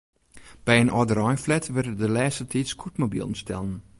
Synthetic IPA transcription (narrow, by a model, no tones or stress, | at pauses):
b̥ɛjənʔɔdəɾɑjflɛtʋərdədəlɛːsətʰitskʰutmobḭlˠən̩stɛ̰lˠən